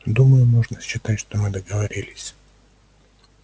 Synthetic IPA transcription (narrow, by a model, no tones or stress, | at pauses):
d̪uməjʊmoʐnəɕːɪt̪atʲʂt̪omɨd̪əɡəvɐɾʲilʲɪsʲ